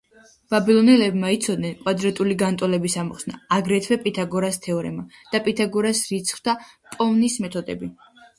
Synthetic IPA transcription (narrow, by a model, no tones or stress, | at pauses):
b̥abilˠɔnɛlɛbmait̪sʰɔd̪̚nɛnkʼwad̪ɾat̪ʼuliɡant̪ʼɔlɛbisamɔχsna̰ːɡɾɛt̪ʰvɛpʼit̪ʰaɡɔɾast̪ʰɛɔɾɛ̰mad̪̥apʼit̪ʰaɡɔɾasɾit̪sʰχvd̪apʼɔvnismɛt̪ʰɔd̪ɛ̰bi